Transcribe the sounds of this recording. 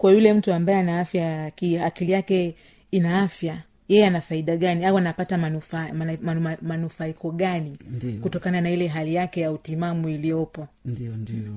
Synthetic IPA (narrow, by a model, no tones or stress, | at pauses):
kwajulɛm̩tuambajɛanaafjakiakilijakɛ | inaafja | jɛjɛanafaiɗaɠaniawanapatamaufamanufaikɔɠanikutɔkananailɛɦalijakɛjautimamuilijɔpɔ